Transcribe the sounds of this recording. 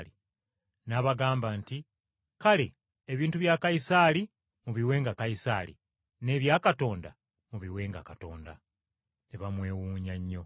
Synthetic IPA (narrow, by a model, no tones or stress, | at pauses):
li | naβaɡaːmbaːnti | kale̞ | eβiːntuβjakajisaːli | muβiwe̞ːŋɡakajisa̰lḭ | ne̞ːβjaːkato̞ːnda̰ | muβiwe̞ːŋɡakato̞̰ːnda̰ | neβamwe̞ːwuːɲaɲːo̞